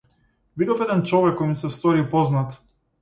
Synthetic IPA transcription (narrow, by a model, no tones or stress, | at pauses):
vid̪ɔfɛd̪ɛnt͡ʃɔvɛkːɔjmsɛst̪ɔɾipɔznat̪